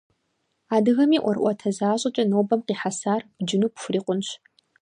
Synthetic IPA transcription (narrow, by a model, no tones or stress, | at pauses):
aːdɨɣɐmiːʔʷɔrʔʷɔtʰɐzaːɕʼɐt͡ʃʼɐnoːbɐmqiːħasaːrb̥d͡ʒɪnuːpxʷʊriːqʷʊnɕ